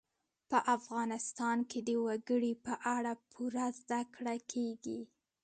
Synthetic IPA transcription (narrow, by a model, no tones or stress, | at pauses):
pəʔafɣɑnɪst̪ɑnked̪əwaɡəɽipəʔaɽapʰuɾazd̪akɽakʰeɡi